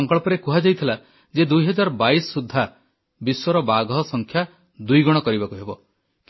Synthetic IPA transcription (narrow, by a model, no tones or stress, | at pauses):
ŋkɔɭɔpɔɾekuɦad͡ʒajt̪ʰila | d͡ʒed̪ujɦɔd͡ʒaɾɔbajsɔːud̪ʱːa | biswɔɾɔbaɡɔɦɔsɔŋkʰja | d̪ujɡɔɽ̃ɔkɔɾibakuɦebɔ | k